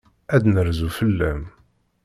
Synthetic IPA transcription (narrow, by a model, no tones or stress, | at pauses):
æd̪nəɾzufəlːæm